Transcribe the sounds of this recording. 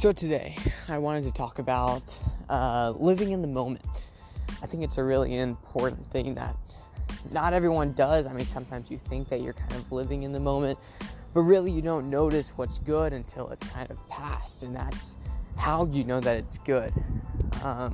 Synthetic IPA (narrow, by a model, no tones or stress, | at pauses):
soʊtʰɨdeɪaɪwɑ̃ɾ̃ɨd̚tʰɨtʰɔkɨbaʊt̚ʌlɪvɪ̃ŋɨ̃nðəmõʊ̃mɨ̃nt̚ | aɪθɪ̃ŋkɨtsɨɹɪlˠḭɪ̃mpʰɔɹʔn̩θɪ̃ŋðə̰t̚ | nəɾɛvɹiwʌ̃ndʌzaɪmĩnsʌ̃mtʰãɪ̃mzjɨθɪ̃ŋk̚ðɨt͡ʃə̰˞kʰãɪ̃ndʌvlɪvɪ̃ŋɨ̃nðɨmõʊ̃mɨ̃nt | b̥ʌt̚ɹɪlˠijɨdõʊ̃nːoʊɾɨswʌtsɡ̥ʊɾɨ̃ntʰɪ̰lˠə̰tskʰãɪ̃ndʌv̥pʰæstɨ̃nðæ̰tshaʊjɨnoʊðɨɾɨtsɡ̥ʊd̥ʌ̃m